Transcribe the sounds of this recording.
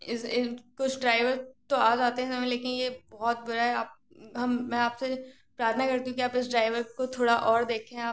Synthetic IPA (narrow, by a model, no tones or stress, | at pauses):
ɪsɪkʊt͡ʃʰɖɾaːɪʋəɾt̪oaːzaːt̪eɦɛ̃sɐmɛ̃leːkɪnjebɔɦɔt̪̚bʊɾaɦɛaːp̚ | ɦɐmːɛ̃aːpse | pɾaːɾt̪ʰnakɐɾt̪iɦũkiaːpɪs̬ɖɾaːɪʋəɾkot̪ʰoːɽaʔɔːɾd̪eːkʰeɦɛ̃aːp̚